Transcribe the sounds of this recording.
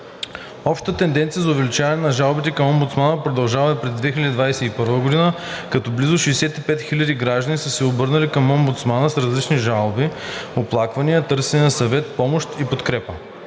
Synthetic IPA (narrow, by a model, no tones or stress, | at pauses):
ɔpʃt̪ət̪ɛnd̪ɛnt̪sijəzɐʊvɛlit͡ʃavɐnɛnɐʒalˠbit̪ɛkɐmɔmbut̪smanəpɾod̪ɐlˠʒavɐipɾɛzd̪vɛxilʲəd̪id̪vajsɛipɤɾvəɡod̪inə | kɐt̪ɔblizʊʃɛsɛt̪ipɛt̪xilʲəd̪iɡɾaʒd̪ənʲisəsɛobɤɾnəlikɐmombut̪smanəsɾɐzlit͡ʃniʒalˠbioplˠakvɐnijət̪ɤɾsɛniəsɐvɛt̪̚pɔmoʃt̪ipot̪kɾɛpə